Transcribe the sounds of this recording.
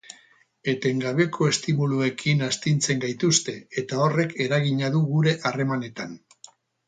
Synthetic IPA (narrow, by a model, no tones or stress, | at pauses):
e̞t̪e̞ŋɡaβe̞kʰo̞e̞st̪imulue̞kʰinast̪int͡se̞ŋɡajt̪ust̪e̞et̪ao̞re̞kʰe̞ɾaɣiɲaðuɣuɾe̞ʔare̞mane̞t̪an